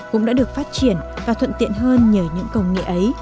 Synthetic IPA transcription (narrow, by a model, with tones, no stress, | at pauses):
kʊ̰˧˥ŋ͡mɗa̰ː˧˥ɗɨ˨˩ək̚faː˦˥t̚t͡ɕi˧˩ənvaː˨˩t̪ʰə˧˨nt̪ḭ˧˨ənɦəː˧nɲəː˨˩wɲɨ̰˧˥ŋkə˧wŋḭ˧˨ʔə˨˦j